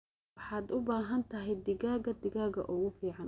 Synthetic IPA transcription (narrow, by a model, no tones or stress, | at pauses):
ħɑːd̪ʊbaːɦɐnt̪ʰɐɦɛjd̪ɪɣaːɣɐd̪ɪɣaːɣɐ̰ʔʊɣʊfiːʕɑn